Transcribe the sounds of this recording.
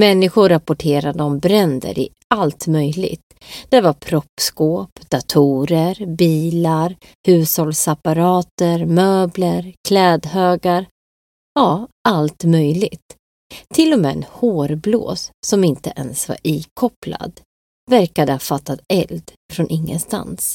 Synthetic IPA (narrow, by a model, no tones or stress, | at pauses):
mɛnːɪɧʊɾapʊʈʰeːɾad̪əɔmbɾɛnd̪ə̰ɾʔɪ̰ | alt̪mœjlɪ̰ɡt̪ | d̪̥ɛvaɾpʰɾɔpːskoːpd̪̥at̪ʰuːɾəɾbiːlaɾ | hʉ̟ːshɔlsapaɾɑːt̪əɾmøːbləɾkʰlɛːd̪høːɡaɾ | jɑːʔalt̪mœjlɪɡt̪ʰː | ɪlːɔmɛːɛ̰nhoːɾblo̰ːsːɔmɪnt̪əʔɛnsva̰ɾʔiːkʰɔpla̰d̪ | væɾkad̪əhafat̪ːat̪ɛ̰ld̪ | fɾɔnʔɪŋːə̰nst̪a̰ns